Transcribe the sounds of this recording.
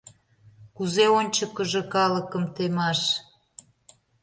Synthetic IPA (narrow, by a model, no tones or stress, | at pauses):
kuzeonʲt͡ɕəkəʒə̆kɑləkə̆mt̪emɑʃ